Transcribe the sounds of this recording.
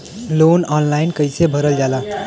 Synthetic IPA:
lonɔnlainkəjsebʱəɾəld͡ʒala

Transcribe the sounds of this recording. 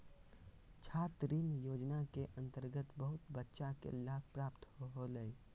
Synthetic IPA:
t͡ʃʰaːt̪ɾiːnjoːd͡ʒnakeʔə̃nt̪əɾɡət̪bəɦʊt̪bətːʃakḛlaːb̚pɾaːpt̪hoɦoləi

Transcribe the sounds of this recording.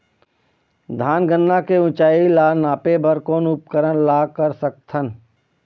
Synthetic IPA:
d̪ʱaːnɡənːakeʊ̃t͡ʃaːilaːnaːpebəɾkoːnʊp̚kəɾənlaːkəɾsək̚t̪ʰən

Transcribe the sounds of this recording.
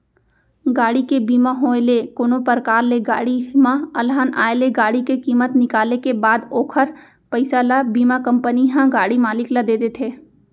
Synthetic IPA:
ɡaːɽikebiːmaɦoːelekoːnopəɾkaːɾleɡa̰ːɽimãɐlɦaːna̰ːeleɡaːɽikekiːmət̪nɪkaːlekebaːd̪oːkʰəɾ | pɐɪsalabiːmakə̃mpəniɦãɡaːɽimaːlɪklad̪eːd̪et̪ʰeː

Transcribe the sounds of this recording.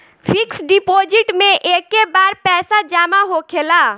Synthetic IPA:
fʰɪksɖɪpoːd͡ʒɪʈmẽʔeːkːebaːɾpɛːsad͡ʒaːmaɦokʰeːlaː

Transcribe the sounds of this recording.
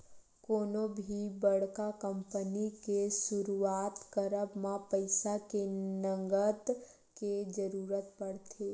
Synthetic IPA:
koːnobʱibəɽkakəmpənikesʊɾuaːt̪kəɾəbmãpəɪsakenəŋɡət̪ | ked͡ʒəɾuːɾət̪pəɽt̪ʰe

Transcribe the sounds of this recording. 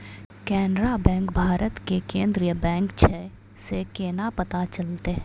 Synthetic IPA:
kɛːnɾabɛ̃ːŋkbʱaːɾət̪kekẽːnd̪ɾijəbɛ̃ːŋkt͡ʃʰɛ | sekenapɐt̪at͡ʃɐlt̪eɦɛ̃

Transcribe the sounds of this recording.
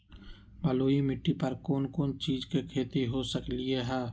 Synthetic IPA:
bɐloːimɪʈːipɐɾkoːnkoːnt͡ʃiːd͡ʒkekʰeːt̪iɦosəklɪeɦɛː

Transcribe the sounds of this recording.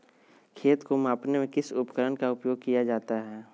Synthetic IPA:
kʰeːt̪komaːpnemẽkɪsʊpkəɾənkaʊpjoːɡ̚kijad͡ʒaːt̪aɦɛː

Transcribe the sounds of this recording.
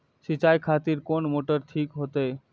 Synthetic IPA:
ʃit͡ɕajkʰat̪iɾkonmoʈəɾʈ̪ʰikɦot̪e

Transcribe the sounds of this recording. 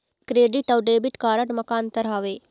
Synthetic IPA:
kɾeːɖɪʈəwɖeːbɪʈkaːɾəʈməkaːnt̪əɾɦaːʋeː

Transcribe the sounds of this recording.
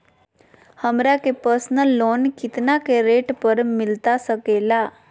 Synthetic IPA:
həmɾakepəɾsnəlːonkit̪nakeɾeʈpəɾmilt̪asəkela

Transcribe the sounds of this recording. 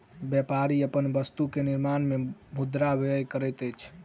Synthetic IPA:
bjɛpaɾiəpənbəst̪ukeniɾmanmemud̪ɾabʱejkəɾɛjt̪əjt͡ʃʰ

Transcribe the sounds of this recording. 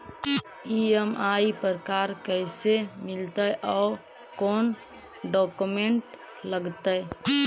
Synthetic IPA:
iemaipəɾkaɾkəɪsemɪlt̪əjʔɔː | kon | ɖɔkumeɳʈ | ləɡt̪əj

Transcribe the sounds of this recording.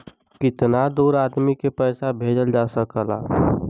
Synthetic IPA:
kɪt̪nad̪uːɾaːd̪mikepəɪsabʱeːd͡ʒəld͡ʒaːsəkəla̰

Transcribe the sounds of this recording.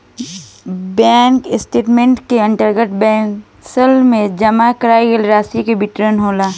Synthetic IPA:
bɛ̃ːŋkɪsʈeːʈmẽɳʈkeɐ̃ɳʈəɾɡəʈ̚ʰbɛ̃ːŋk | səlmẽd͡ʒɐmakəɾaːiɡəlɾaːsikebɪʈɾənɦoːlaː

